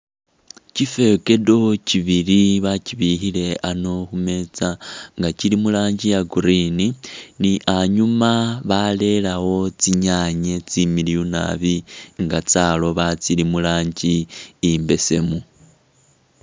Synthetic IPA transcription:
cife̞ke̞do̞ciβiliβaciβixile̞ano̞xume̞t͡saŋɡacilimulaːɲɟijaɡuɾininiʔaɲumaβale̞lawo̞t͡siɲaɲet͡similijuna̰βiŋɡat͡salo̞βat͡silimulaːɲɟiːmbe̞se̞mu

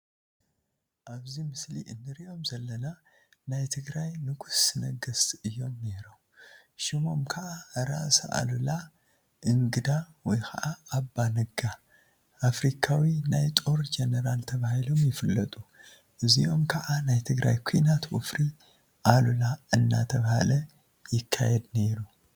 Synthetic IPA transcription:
ʔaβzimɨsliʔɨnːɨɾiʔo̞mzɐlːɐna | najt̪ʰɨɡɾajnɨɡusnɐɡɐsʔɨjːo̞mneɾom | ʃimo̞mkʰɐʔaɾaʔsɐ̰ʔa̰lula | ʔɨŋɡɨd̪a | wɔjxʰɐʔaːbːanɨɡa | ʔafɾikʰawinajt̪ʼo̞ɾd͡ʒenɐɾalt̪ʰɐβahilo̞mjɪfɨlːɐt̪ʼu | ʔɨziʔo̞mkʰɐʔanajt̪ʰɨɡɾa̰jkʰujnat̪wṵfɾi | ʔalulaɨnːa̰t̪ʰɐβaha̰lɐ | jɪkʰːa̰jɛd̪ne̞ɾu

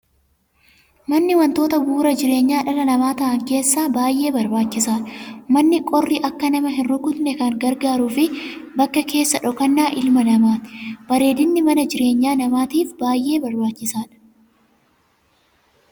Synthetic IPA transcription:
mɐnːɪwɐnt̪o̞ːt̪ɐbuːɾɐd͡ʒɪɾe̞ːɲːaːᶑɐlɐnɐmaːt̪ɐʔɐŋke̞ːsːaːbaːjʔe̞ːbɐɾbaːt͡ʃːɪsaːᶑɐmɐnːɪkʼɔrːiʔɐkːɐnɐmɐɦɪnɾʊkʊt̪nɛkɐŋɡɐɾɡaːɾuːfɪbɐkːɐke̞ːsːɐᶑɔkɐnːaːʔɪlmɐnɐmaːt̪ɪ̥b̥ɐɾe̞ːd̪ɪnːɪmɐnɐd͡ʒɪɾe̞ːɲːaːnɐmaːt̪iːfbaːjʔe̞ːbɐɾbaːt͡ʃːɪsaːᶑɐ̥

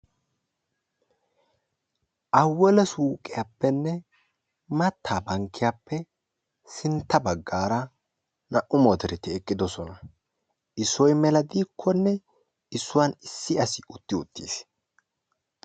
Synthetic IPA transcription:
ʔɐwːɔlɛsuːkʼɪjaːpːɛnːɛ | mɐt̪ːaːbɐŋkʰːɪjaːpːɛ | sɪnt̪ːɐbɐɡːaːɾɐ | nɐʔʊmoːt̪ɛɾɛt̪ɪɛkʼːɪd̪ɔsɔnɐ | ʔɪsɔjmɛlɐd̪iːkʰːɔnːɛ | ɪsːʊwanɪsːɪɐsɪʊt̪ːɪʊt̪ːḭːs

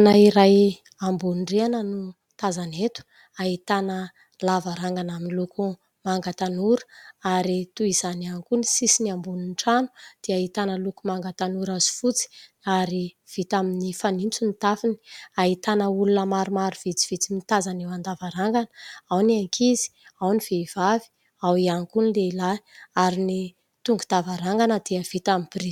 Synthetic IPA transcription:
naiɾaj | ambunɖ͡ʐeanənu | t̪azanet̪u̥ | aɦit̪anə | lavaɾaŋɡanaminluku | maŋɡat̪anuɾə̥aɾit̪uiz̥anankunisisiniambuninʈ͡ʂanu̥d̪̥iait̪anəlukumaŋɡat̪anuɾazi̥fut͡si̥ | aɾi | v̥it̪aminifanint͡sunit̪afini̥aɦit̪anəulunəmaɾumaɾuv̥it͡si̥v̥it͡simit̪azanewand̪avaɾaŋɡanawniaŋkʰizi̥ | awniv̥eiv̥avi̥ | awiankunileilaiaɾini | t̪uŋɡud̪̥avaɾaŋɡanəd̪̥iəv̥it̪amimb̥iri̥

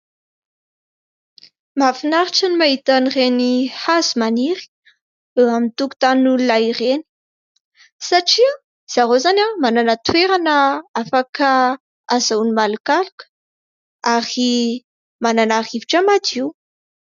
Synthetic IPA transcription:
mafinaɾiʈ͡ʂənimaɦit̪anirenihazumaniɾi̥ | eamint̪uku̥t̪anulaireni̥ | saʈ͡ʂia | z̥aɾozanamananat̪weɾanəafakə | azawnimalukalukə̥ | aɾi | mananaɾiviʈ͡ʂəmad̪iw

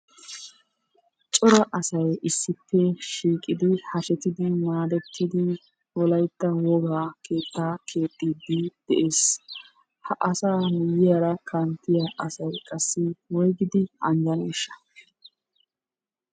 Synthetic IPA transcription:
t͡ʃʼɔɾɐʔɐsɐjɪsːɪpʰːɛʃiːkʼɪd̪ɪhɐʃɛt̪ɪd̪ɪmaːd̪ɛt̪ʰːɪd̪ɪ | wɔlɐjt̪ːɐwɔɡaːkʰe̞ːt̪ːaːkʰe̞ːt̪ʼːiːd̪ɪd̪̥ɛʔe̞ːs | hɐʔɐsaːmʊjːɪjaɾɐkʰɐnt̪ːɪjaʔɐsɐjkʼɐsːɪwɔjɡɪd̪ɪɐnd͡ʒɐneːʃːɐ̥

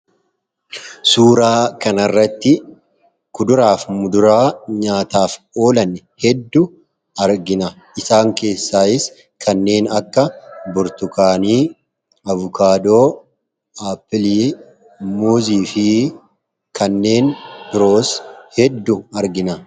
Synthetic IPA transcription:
suːɾaːkɐnɐrːɐt̪ːɪ | kʊd̪ʊɾaːfmʊd̪ʊɾaːɲaːt̪aːf | o̞ːlɐn | hɛd̪ːʊ | ɐɾɡɪnɐ | ʔɪsaːŋke̞ːsːaːɪs | kʰɐnːe̞ːnɐkːɐbʊɾt̪ʊkaːniː | ɐvʊkʰaːd̪oː | aːpːɪliː | muːziːfɪ | kɐnːe̞ːnb̥ɪɾo̞ːshɛd̪ːʊɐɾɡɪnɐ

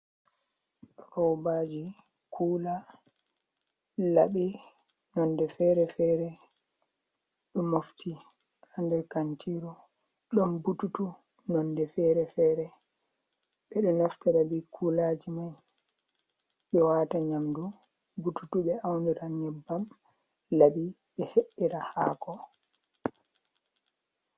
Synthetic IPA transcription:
ɾɔwbaːd͡ʒi | kʰuːla | laɓi | nɔndɛfɛɾɛfɛɾɛ | ɗɔmoftʰi | handɛɾkantʰiɾɔ | ɗɔmbututu | nɔndɛfɛːɾɛfɛɾɛ | ɓɛɗɔnɔftaɾabikʰulaːd͡ʒimaj | ɓɛwaːtaɲamdu | bututuɓɛawniɾanɛbːam | labi | ɓɛheʔːiɾaha̰ːkɔ

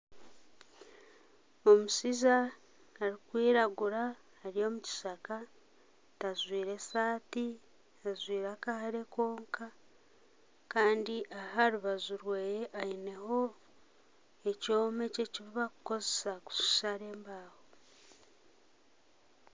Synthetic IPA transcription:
o̞musizaː | ɾikwiːɾaɡuɾaː | ɾijo̞ːmuci̥saka | tazwiːɾe̞saːti | azwiːɾaːkahaɾe̞ko̞ːŋka | kaːndiʔaɦaɾuβazuɾweːjeʔaine̞ho̞ | e̞co̞ːmece̞ciβiβakuko̞zesaku̥ʃi̥ʃaɾe̞ːmbaːho

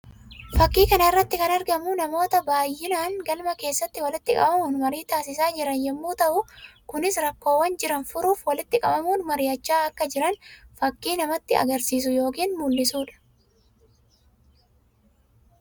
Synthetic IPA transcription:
fɐkːiːkɐnɐɪrːɐt̪ːɪkɐnɐɾɡɐmʊnɐmo̞ːt̪ɐbaːjːɪnaːŋɡɐlmɐke̞ːsːɐt̪ːɪwɐlɪt̪ːɪkʼɐ̰mɐmuːnmɐɾiːt̪aːsɪsaːd͡ʒɪɾɐnjɛmːuːt̪ɐʔʊkʊnɪsɾɐkːo̞ːwːɐnd͡ʒɪɾɐnfʊɾuːfwɐlɪt̪ːɪkʼɐ̰mɐmuːnmɐɾɪjɐt͡ʃːaːɐkːɐd͡ʒɪɾɐnfɐkːiːnɐmɐt̪ːɪɐ̰ɡɐɾsiːs̬ʊjo̞ːkiːnmuːlːɪsuːᶑɐ̥

